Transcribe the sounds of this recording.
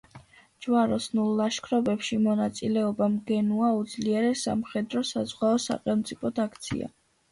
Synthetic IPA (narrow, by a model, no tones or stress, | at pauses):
d͡ʒwaɾɔsnulˠːaʃkʰɾɔbɛpʃimɔnat̪sʼilɛɔbamɡɛnuaud̪zliɛɾɛsa̰mχɛd̪ɾɔsazʁwaɔsa̰χɛlˠmt̪sʼipʰɔt̪ʰakʰt̪sʰḭa̰